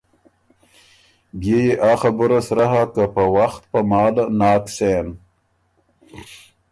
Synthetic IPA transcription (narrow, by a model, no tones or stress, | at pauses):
bjejeʔaːxabʊɾasɾaɦakapəwaxt̪̚pɐmaːlanɑːkseːn